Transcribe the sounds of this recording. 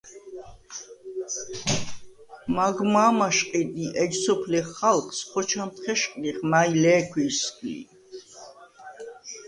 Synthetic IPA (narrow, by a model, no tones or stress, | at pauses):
maɡmaːmaʃqʼid̪iʔɛd͡ʒsɔpʰliχalχsχɔt͡ʃʰamt̪ʰχɛʃqʼliχnajlɛːkʰwisɡʼlḭ